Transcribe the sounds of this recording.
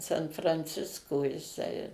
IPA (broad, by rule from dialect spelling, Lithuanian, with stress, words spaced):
sɐn frɐnʲˈt͡sʲɪskoː jɪˈsɐɪ